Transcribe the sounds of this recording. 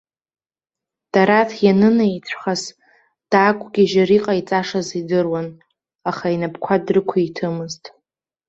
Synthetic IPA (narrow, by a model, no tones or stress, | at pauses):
d̥aɾatʰjanɨnait͡sʷʰχaz | d̥akʷʰʼɡʲiʒaɾiqʼait͡sʼaʂazidɨrwan | aχainapʰkʷʰadrɨkʷʰaitʰɨmɨztʼ